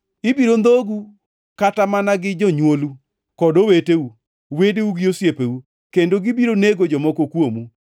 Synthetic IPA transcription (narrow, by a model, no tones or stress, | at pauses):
ɪbiɾond̪oɡu | katamanaɡɪd͡ʒɔɲwolu | kɔdoweteu | wedeuɡiosjepeu | kendoɡɪbiɾoneɡod͡ʒɔmɔkokwomu